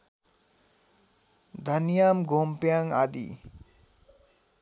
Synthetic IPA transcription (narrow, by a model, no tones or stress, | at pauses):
d̪ʱʌnjamɡʱompjaŋad̪ḭ